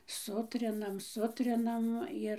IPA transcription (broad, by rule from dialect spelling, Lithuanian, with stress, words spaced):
ˈsʊtʲrʲɪnɐm ˈsʊtʲrʲɪnɐm ˈɪr